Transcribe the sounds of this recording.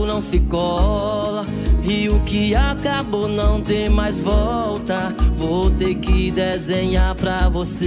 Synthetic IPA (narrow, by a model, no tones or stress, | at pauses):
nɐ̃w̃sɪkɔlɐ | ɪʊkɪakabonɐ̃w̃t̪ẽjmajzvɔwt̪ɐvot̪eɾkɪd̪ezẽɲaɾpɾɐvose